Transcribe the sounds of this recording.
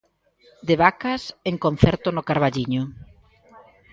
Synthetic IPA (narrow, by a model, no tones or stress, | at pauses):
d̪eβakaseŋkon̟θɛɾt̪ʊnokaɾβaʎiɲʊ